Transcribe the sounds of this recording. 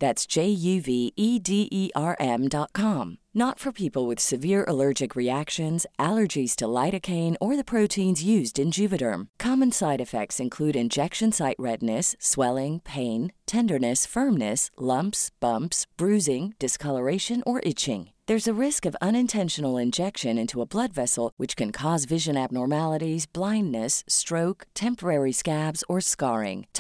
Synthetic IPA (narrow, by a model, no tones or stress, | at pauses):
ðætsd̥ʒ̥eɪjʉviʔidiʔiʔɑɹʔɛ̃mdɑt̚kʰɑ̃mnətfə˞pʰipl̩ˠwɨð̥sɨvɪɹʔə̰lɜ˞d͡ʒɨkɹiækʃɨ̃nzʔælˠə˞d͡ʒiz̥tʰəlaɪɾɨkʰẽɪ̃nə˞ðɨpʰɹ̥oʊtʰĩnzjʉzdɨ̃nd͡ʒʉvɨɾə̰̃˞mkʰɑmɨ̃nsaɪɾɨfɛ̰k̚tsɨ̃nkʰl̥ʉɾɨ̃nd͡ʒɛkʃɨ̃nsaɪʔ̚ɹɛdⁿnɨsːwɛlˠɪ̃ŋpʰẽɪ̃ntʰɛ̃ndə˞nɨsfɜ̃˞mnɨslʌ̃mpsb̥ʌ̃mpsb̥ɹʉzɪ̃ŋd̥ɨskʰʌlˠə˞eɪʃɨ̃nə˞ʔɪt͡ʃɪ̰̃ŋðə˞zɨɹɪskʌvʌ̃ñɨ̃ntʰɛ̃nʃɨnl̩ˠɪ̃nd͡ʒɛkʃɨ̃nɪ̃ntʰuəblʌdvɛsl̩ˠwɨt͡ʃkʰɨ̃nkʰɔzvɪʒɨ̃næb̚nɔɹmælˠəɾizblãɪ̃ndːɨstɹ̥oʊkktʰɛ̃mpə˞ɛɹiskæbz̥ə˞skɑɹɪ̰̃ŋʰ